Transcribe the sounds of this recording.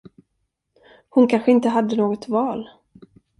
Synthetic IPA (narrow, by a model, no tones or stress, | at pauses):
hʊnkʰanɧəɪnt̪əɦad̪ːənoːɡɔt̪vɑːl